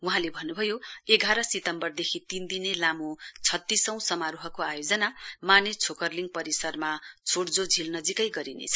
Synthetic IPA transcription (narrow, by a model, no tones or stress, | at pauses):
wuɦãlebʱʌnːubʱʌjoeɡʱaɾʌsit̪ʌmbʌrd̪ekʰit̪ind̪inelamot͡sʰʌt̪ːisʌ̃w̃sʌmaɾuɦʌkoajod͡zʌnamanet͡sʰokʌrliŋɡpʌɾisʌrmat͡sʰoɽd͡zod͡zʱilnʌd͡zikʌjɡʌɾinḛt͡sʰʌ̥